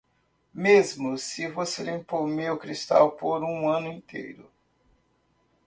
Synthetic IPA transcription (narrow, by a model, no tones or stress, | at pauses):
mezmʊsɪvoselĩmpowmewkɾist̪a̰wpoɾũɐ̃nʊĩnt̪ʰḛjɾʊ̰